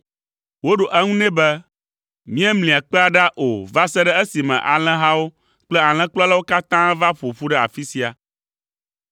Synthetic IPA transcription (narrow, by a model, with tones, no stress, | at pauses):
wo˦ɖo˨ʔɛ˦ŋũ˦nɛ̃˦bɛ˦ | mĩ˦ɛ˦mlĩ˨a˨k͡pɛ˦a˨ɖa˦ʔo˨va˦sɛ˦ɖɛ˦ɛ˦si˨mɛ̰̃˨ʔa̰˨l̃ɛ̃˦ɦã˦wo˦ | k͡plɛ˦a˨l̃ɛ̃˦k͡plɔ˦a˦la˦wo˦ka˦t̪ã˦va˦ɸo˨ɸu˦ɖɛ˦a̰˨fi˦si˨a˨